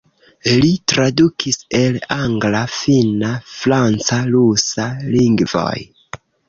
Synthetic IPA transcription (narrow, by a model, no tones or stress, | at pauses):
litɾadukʰise̞laŋɡlafinafɾant͡salusaliŋɡvo̞̰j